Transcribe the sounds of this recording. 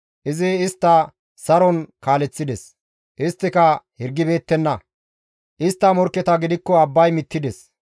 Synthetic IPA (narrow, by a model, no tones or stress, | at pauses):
ʔɪzɪːst̪ːɐ | sɐɾɔnkaːlɛt͡sːɪd̪ɛs | ʔɪst̪ːɪkɐhɪɾɡːɪbe̞ːt̪ːɛnːɐ | ʔɪst̪ːɐmɔɾkːɛt̪ɐɡɪd̪ɪkːɔɐbːɐjmɪt̪ːɪd̪ɛs